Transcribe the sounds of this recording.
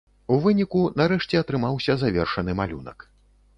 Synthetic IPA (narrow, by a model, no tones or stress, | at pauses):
uvɨnʲikunaɾɛʂt͡sʲɛɐt̪ɾɨmawsʲɐzavʲɛrʂɐnɨmalʲṵnɐ̰k